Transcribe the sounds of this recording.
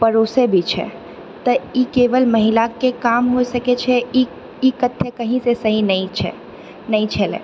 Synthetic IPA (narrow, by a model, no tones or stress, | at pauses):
pəɾosebʱit͡ʃʰɛ̰ | t̪əikeʋəlməɦilakekamɦojsəket͡ʃʰɛi | ikət̪ʰːjəkəɦĩsesəɦinəĩt͡ʃʰɛ̰ | nəĩt͡ʃʰelḛ̃